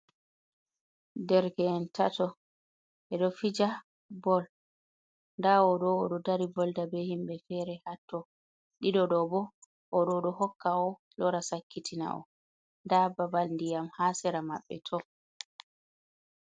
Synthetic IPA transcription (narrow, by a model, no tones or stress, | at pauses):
dɛɾkɛnta̰tɔ | ʔɛɗɔfid͡ʒa | bɔl | ndawɔɗɔɔɗɔdaɾibɔldabɛhimbɛfɛɾɛhatːɔ | ɗiɗɔɗɔbɔ | ʔɔɗɔɗɔhɔkːaɔ | lɔɾasakːitʰina̰ʔɔ̰ | ndababalndijamhasɛɾamaɓːɛ̰tʰɔ